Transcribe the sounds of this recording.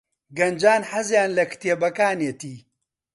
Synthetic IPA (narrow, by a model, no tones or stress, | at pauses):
ɡɐnd͡ʒaːnħɐzjaːnlɐkt̪eːbɐkaːneːt̪iː